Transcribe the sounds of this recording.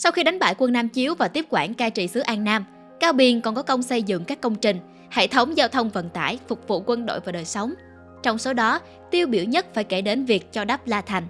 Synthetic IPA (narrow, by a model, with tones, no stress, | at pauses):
sa˧wxi˧ɗa˨˦jŋ̟ɓaː˧˩jkwə˧nːaː˧mt͡ɕi˨˦əwvaː˨˩t̪i˦˥p̚kwaː˧˩nkaː˧jt͡ɕḭ˧˨sɨ˨˦əʔaː˧nnaː˧m | kaː˧wɓi˧˩ənkɔ˨˩nkɔ˨˦kə˧wŋ͡msə˧jzɨ̰˧˨ŋkaː˦˥kːə˧wŋ͡mt͡ɕï˨˩ŋ̟ | hḛ˧˨t̪ʰə˨˦wŋ͡mzaː˧wt̪ʰə˧wŋ͡mvə̰˧˨˩nt̪a̰ː˧˩jfʊ˨˩k͡p̚vṵ˧˨kwə˧nɗo̰˧˨jvaː˨˩ɗəː˨˩jsə˨˦wŋ͡m | t͡ɕɔ˧wŋ͡mso˨˦ɗɔ˨˦ | t̪i˧əwɓi˧˩əwɲə˦˥t̚faː˧˩jke˧˩ɗe˨˦nvi˨˩ək̚t͡ɕɔ˧ɗaː˦˥p̚laː˧t̪ʰa˨˩jŋ̟